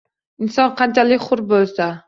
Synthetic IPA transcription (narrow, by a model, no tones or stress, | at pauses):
ɪnsɒnqʰɑnt͡ʃʰalɪkʲχʊɾbolsa